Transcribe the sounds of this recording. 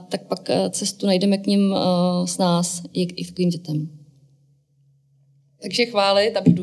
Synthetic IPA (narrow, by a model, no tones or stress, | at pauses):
t̪ak̚pakt͡sɛst̪unajdɛmɛkɲɪmsnaːsjɛʔɪt̪ḁkoviːmɟɛt̪ɛm | t̪aɡʒɛxvaːlɪt̪abɪdu